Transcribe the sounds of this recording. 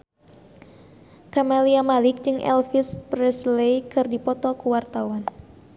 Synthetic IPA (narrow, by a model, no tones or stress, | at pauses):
kamaliamalɪk̚d͡ʒɨŋʔɛ̰lfispɾɛslejkɨrdipɔt̪ɔkuwart̪awan